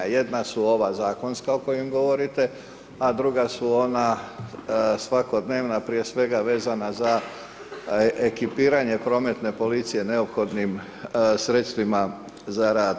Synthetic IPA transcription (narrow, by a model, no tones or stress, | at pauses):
je̞d̪nasuo̞ʋazaːko̞nskao̞ko̞jemɡo̞ʋo̞ɾit̪e̞ | ad̪ɾuɡasuo̞na | sʋako̞d̪ne̞ːʋnapɾije̞sʋe̞ɡaʋe̞ːzanaza | ekipiːɾaɲe̞pɾo̞ːme̞t̪ne̞po̞lit̪sije̞neo̞pxo̞d̪nim | sɾe̞t̪st̪ʋima | zaɾaːd̪